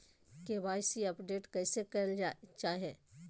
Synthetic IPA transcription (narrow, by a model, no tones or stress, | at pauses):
keʋaːɪsiɐpɖeːʈkɛːsekɐt͡ʃaːɦe